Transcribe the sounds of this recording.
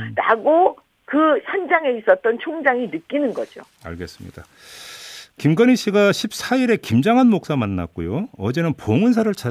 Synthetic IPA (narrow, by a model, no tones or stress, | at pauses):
ɾaɡo | kɯçʰand͡ʑaŋe̞is͈ʌt̚t͈ʌnt͡ɕʰoŋd͡ʑaŋinɯk͈inɯnɡʌd͡ʑo | a̰ɭɡe̞s͈ɯ̥mɲḭd̥a | kimɡʌniɕ͈ʰiɡaɕʰip̚s͈aiɾe̞kimd͡ʑaŋɦanmok̚s͈amanːa̰k̚k͈ojoʌd͡ʑe̞nɯnpoŋɯns̬ʰaɾɯɭt͡ɕʰa